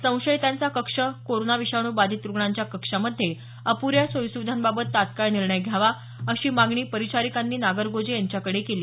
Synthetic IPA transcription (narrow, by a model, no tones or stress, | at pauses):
sə̃w̃ɕəjt̪ant͡sakəkʂəkoɾonaʋiɕaɳuːbad̪ʱit̪ɾuɡɳaɲt͡ɕjakəkʂaməd̪ʱːe | əpuɾjasʋəjsuʋd̪ʱambabət̪ːat̪kaɭniɾɳəjɡʱjaʋa | əɕiːmaɡɳiːpəɾit͡ɕaɾikanːiːnaɡəɾɡod͡zejaɲt͡ɕjakəɽekeliː